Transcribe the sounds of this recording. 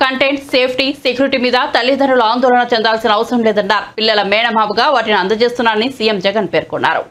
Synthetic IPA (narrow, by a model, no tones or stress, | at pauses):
kɐɳʈeːɳʈseːpʰʈisekjuɾiʈiːmiːd̪ɐt̪ɐlːid̪ʱɐnuluaːnd̪ɔːlɐnaːt͡ʃɛnd̪aːlsinɐːʋɐsɐɾɐmleːd̪ɐnːaːɾpilːɐlɐmɛːɳɐmaːbuɡaːʋaːʈiniɐnd̪ɐt͡ʃe̞ːst̪unːaːɾɐnisijemd͡ʒɛɡɐnpeːɾkɔnːa̰ːɾṵ